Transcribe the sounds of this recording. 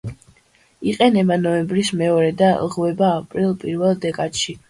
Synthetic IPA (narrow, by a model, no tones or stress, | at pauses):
iqʼɛnɛbanɔɛmbɾismɛɔɾɛd̪alˠʁwɛbaːpʼɾilˠpʼiɾvɛlˠd̪ɛkʼad̪̥ʃi